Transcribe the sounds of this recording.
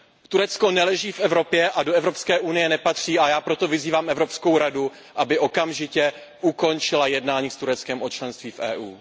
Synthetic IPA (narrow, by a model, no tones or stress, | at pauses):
t̪uɾɛt͡sko̞nɛlɛʒiːfʔɛvɾo̞pjɛʔadoɛvɾopskɛːʔunɪjɛnɛpat̪r̝̥iːʔajaːpɾo̞t̪o̞vɪziːvaːmʔɛvɾopsko̞wɾadu | ʔabɪʔo̞kamʒɪcɛ | ʔuko̞nt͡ʃɪlajɛdnaːɲiːst̪uɾɛt͡skɛmʔo̞t͡ʃlɛnst̪viːfʔɛ̰ːʔuː